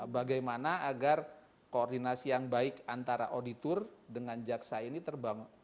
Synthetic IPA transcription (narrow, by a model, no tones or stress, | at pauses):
baɡajmanaaɡar | koɔrdinasijaŋbaɪkant̪aɾaʔodit̪ʊrdəŋand͡ʒaksainit̪ərbaŋ